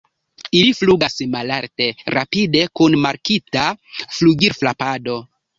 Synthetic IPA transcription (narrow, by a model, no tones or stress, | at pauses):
ilifluɡasmalaɾte̞ɾa̰pide̞kunmaɾkitafluɡiɾflapado̞